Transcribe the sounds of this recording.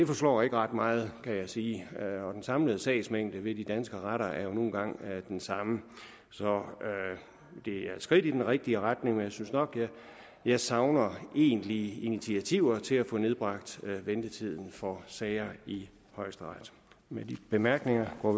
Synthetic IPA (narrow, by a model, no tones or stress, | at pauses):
d̥e̝fɒ̽slɒ̰ːe̝ɡ̥əʁɑ̈d̥mɑ̈ːð̞̩ˠkʰæjɑ̈ɪsiːɒ̽d̥ensɑ̈mləð̞̩ˠsɛ̰ɪsmeŋ̰d̥əʋe̝d̥id̥ænsɡ̥əʁaɾɐæɐjo̝no̝ːn̩ɡ̥ɑ̈ŋ̰d̥ensɑ̈mə | sɒ̽ | d̥e̝æɐsɡ̥ʁid̥id̥enʁeɡ̥̚d̥iəʁad̥ne̝ŋmenjɑ̈ɪsynsnɒ̽ɡ̥jæ | jɑ̈ɪsɑ̈ʊnɐe̝̰ːnliinit͡sʰiæt͡sʰiʊ̰ɐt͡sʰe̝læfɔ̽ne̝ð̞ˠb̥ʁɑ̈ɡ̥d̥ʋend̥ət͡sʰið̞̰ˠn̩fɒsɛɪɐi | hɒ̽ɪ̰sd̥əʁɑd̥ | med̥ib̥e̝mæɐɡ̥ne̝ŋɐɡ̥ɒ̰ː